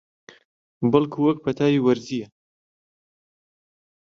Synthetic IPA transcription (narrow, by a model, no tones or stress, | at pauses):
bɐlˠkʰuwɐk̚pʰɐt̪ʰaːjiwɐɾzijɛ